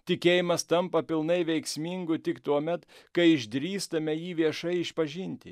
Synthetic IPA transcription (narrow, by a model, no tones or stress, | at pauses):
t̪ʲɪkʲeːjɪmɐst̪ɐmpɐpʲɪlˠnɐɪʋʲɛɪksʲmʲiŋɡʊt̪ʲɪkt̪uɔmʲɛt̪kɐɪɪʒʲd̪ʲɾʲiːst̪ɐmʲɛjiːʋʲiɛʃɐɪɪʃpɐʒʲɪnʲt̪ʲɪ